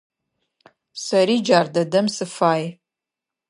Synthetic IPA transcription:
sɐɾiːd͡ʒaːrdɐdɐmsɨfaːj

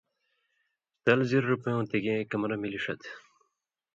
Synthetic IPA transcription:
t̪ɐlziɾːupɐjõːt̪eɡẽkɐmɾɐmiliʂɐt̪

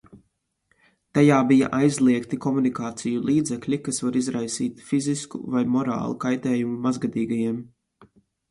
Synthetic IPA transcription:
t̪ajaːbija̰ʔajzlˠiɛkt̪ikɔmunikaːt̪sijulˠiːd̪zɛklʲikasvaɾizɾajsiːt̪fiziskṵvajmɔɾa̰ːlˠukajt̪ɛːjumumazɡad̪iːɡajiɛm

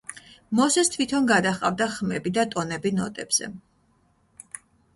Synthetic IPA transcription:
mɔsɛst̪ʰvit̪ʰɔnɡad̪aχʼa̰vd̪aχmɛbid̪at̪ʼɔnɛbinɔ̰t̪ʼɛbz̥ɛ̰

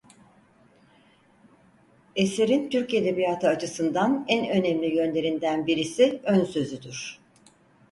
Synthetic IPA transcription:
ese̞ɾint̪ʰyɾced̪e̞bijat̪ʰɯat͡ʃʰɯsɯnd̪anænø̞nɛmlʲijø̞nlʲe̞ɾind̪ænbiɾisiønsø̞zyd̪yɾ̝̥

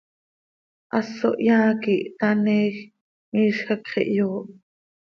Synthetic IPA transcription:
ʔɑsːo̰ʔjɑːkiʔt̪ɑniːx | miːʃxɑkχḭʔjoːʔ

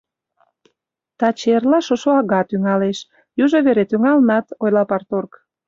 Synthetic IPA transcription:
t̪ɑt͡ɕerlɑʃoʃoɑɣɑt̪yŋɑleʃ | juʒoβeɾet̪yŋɑlnɑt̪ojlɑpɑrt̪ork

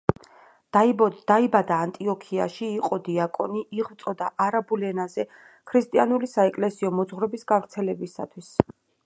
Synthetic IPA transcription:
d̪̥aibad̪aːnt̪ʼiɔkʰia̰ʃiːqʼɔd̪iakʼɔ̰niʔiʁvt̪sʼɔd̪aʔaɾabulɛnazɛ | kʰɾist̪ʼianulisaɛkʼlɛsiɔmɔd̪zʁɾɔbisɡavɾt̪sʰɛlɛbisa̰t̪ʰwis

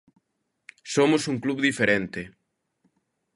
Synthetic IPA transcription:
somʊsuŋkluβðifeɾent̪e

